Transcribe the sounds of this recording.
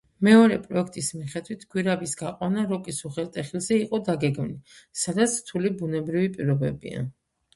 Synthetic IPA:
mɛɔɾɛpʼɾɔɛk̚ʰt̪ʼismiχɛd̪wit̪ʰɡ̥wiɾabisɡaqʼwanaɾɔkʼisuχɛlt̪ʼɛχilˠzɛiqʼɔd̪aɡɛɡmnisad̪at̪sʰɾt̪ʰulibunɛbɾivipʼiɾɔbɛ̰bḭa̰

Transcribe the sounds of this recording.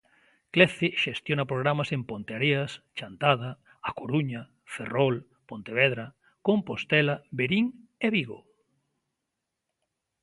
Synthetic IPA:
kleθeʃest̪jonapɾoɣ̞ɾamasempont̪eaɾeast͡ʃant̪að̞a | akoɾuɲa | ferol | pont̪eβ̞ɛðɾa | kompost̪ɛlabeɾiŋeβiɣo̰

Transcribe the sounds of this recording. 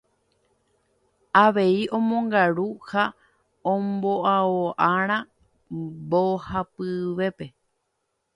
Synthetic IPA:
aʋe̞iʔõ̞mõ̞ŋɡaɾuha | õmboʔaoʔaɾ̃ã | bohapɨʋe̞pe̞

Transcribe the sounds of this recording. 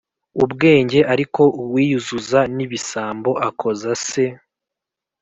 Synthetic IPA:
ubɡe̞ːɲɟe̞ʔaɾiko̞uwiːjuzuzaniβisaːmbo̞ʔakʰo̞zase̞

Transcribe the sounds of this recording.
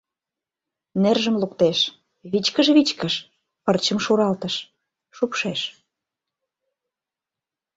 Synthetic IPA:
nerʒə̆mlukt̪eʃ | βit͡ɕkəʃβit͡ɕkəʃ | pərt͡ɕəmʃuɾɑlt̪əʃ | ʃupʃeʃ

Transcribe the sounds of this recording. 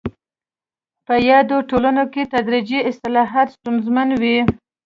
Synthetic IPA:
pəjɑd̪oʈolanoket̪ad̪ɾid͡ʒiɪst̪ɪlɑɦɑt̪st̪unzmanwi

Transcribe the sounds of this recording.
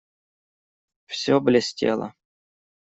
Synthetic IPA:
fsʲoblʲɪsʲtʲḛlˠə̰

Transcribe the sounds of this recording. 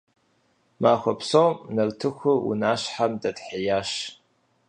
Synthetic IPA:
maːxʷɐpʰsowmnɐltʰɨxʷʊṵnaːʃħamdɐdħejaːʃ

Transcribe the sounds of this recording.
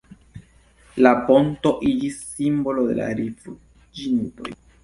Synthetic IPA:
lapo̞nto̞ʔid͡ʒisːimbolode̞̰la̰ɾifu | d͡ʒinto̞̰j

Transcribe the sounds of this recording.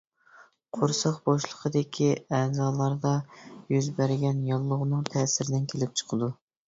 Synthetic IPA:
qʰoɾsɑqboʃlˠəqʰəd̪ɪkʲʰiɛːzɑːlˠɑɾd̪ɑjyzbæɾɡʲɛnjɑlˠːʊʁnɨŋt̪ʰɛːsɪɾɪd̪ɪnkʲʰelɪp̚t͡ʃʰə̥qʰəd̪u

